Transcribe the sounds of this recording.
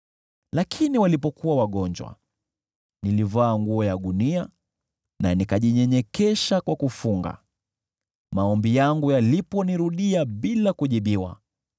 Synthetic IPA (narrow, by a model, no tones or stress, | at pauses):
lakʰiniwalipɔkuwawaɠɔnd͡ʒwa̰ | nilivaːŋɡuɔjaɗunia | nanikaʄiɲɛɲɛkɛʃakwakufuŋɡa̰ | maɔmbijaŋɡujalipɔniɾuɗiaɓilakuʄiɓiwa̰